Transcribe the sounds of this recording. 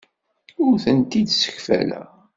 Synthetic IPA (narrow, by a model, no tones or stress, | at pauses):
ʊɾθənt̪id̪sə̥çfæ̰læ̰